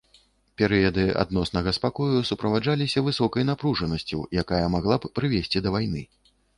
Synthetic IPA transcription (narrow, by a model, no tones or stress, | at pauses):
pʲɛɾɨjɐd̪ɨa̰d̪nɔsnɐɣɐspakɔjusupɾɐvad͡ʐalʲisʲɐvɨsɔkɐjnapɾuʐɐnɐsʲt͡sʲṵwjakajɐmaɣlˠabpɾɨvʲesʲt͡sʲid̪ɐvajn̪ɨ